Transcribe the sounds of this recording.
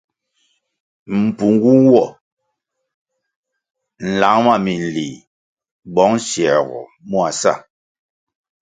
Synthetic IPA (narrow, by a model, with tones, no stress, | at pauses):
m̩˨pu˨ŋ˦ɡu˦ŋwɔ˦˨ | n̩˨la˨˦ŋma˦˨mi˨n̩˨li˨ | bɔ˨˦ŋ˦sjɛ˨ɣɔ̰˨mu˦a˨sa̰˦˨